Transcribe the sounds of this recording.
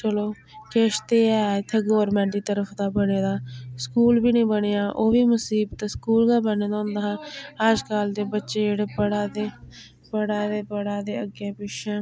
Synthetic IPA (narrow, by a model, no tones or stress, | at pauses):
t͡ʃəloː | keːʃt̪eːɛːt̪ʰeːɡoːɾmɛ̃ːɳʈ̪iːt̪əɾəfʰd̪aːbəneːd̪aːskuːlbiːnĩːbəɽeːjaːʔoːʋiːməsiːbt̪ːskuːlɡaːbəneːd̪aːʊ̃nd̪aːɦãːəd͡ʒkaːld̪eːbətːʃeːeɽeːpəɽaːd̪eː | pəɽaːd̪eːpəɽaːd̪eːəɡeːpɪʃɛ̃ː